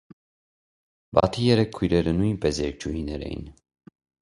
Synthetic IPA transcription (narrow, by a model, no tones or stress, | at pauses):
bɑ̰t̪ʰijɛɾɛkʰːujɾɛɾənujnpɛsjɛɾk̚t͡ʃʰuhinɛɾɛ̰jḭn